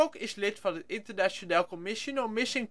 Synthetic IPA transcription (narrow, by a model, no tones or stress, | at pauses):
okɪslɪtfɑndəʔɪntəɹnaʃonɛlˠkomɪʃonəlˠmɪsɪŋ